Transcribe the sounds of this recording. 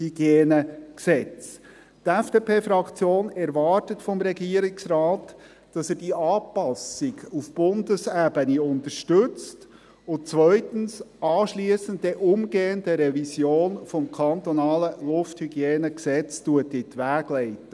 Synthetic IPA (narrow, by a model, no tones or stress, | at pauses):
hyɡjeːnəksɛt͡s | tɛfd̥eːpʰeːfɾɑkt͡sjoːnɛɾʋɑrtətfɔmɾɛɡiːəɾɪksrɑːt | d̥ɑsɛːd̥iʔɑːpɑsɪɡufb̥ʊndəsæbəniʊntəɾʃtɵt͡st | ʊnt͡sʋœʏtən̩sɑːʃliːəsəntːeʔʊmɡeːəndəɾɛvisjoːnfɔmkʰɑnt̪ɔnɑːləlʊfthyɡ̥jeːnəksɛt͡stuətɪtʋæːɡlɛɪtə